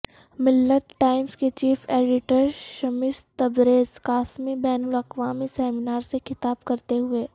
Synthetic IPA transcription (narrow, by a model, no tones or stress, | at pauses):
mɪlːət̪ʈaːɪmsket͡ʃiːfeːɖɪʈəɾʃɐmɪst̪ɐbɾeːzkaːsmibɛːnʊlɐqʋaːmisɛːmɪnaːɾsexɪt̪aːbkɐɾt̪eɦʊeː